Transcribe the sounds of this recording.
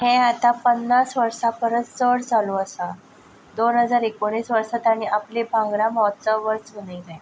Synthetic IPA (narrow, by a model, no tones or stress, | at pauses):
ɦẽat̪ãpənːasʋəɾsapəɾət̪t͡səɽt͡saluəsa | d̪onɦəd͡zaɾekoɳiːsʋəɾsat̪aɽ̃iaplibʱãŋɡɽãmɔt͡səʋəɾt͡sunəjla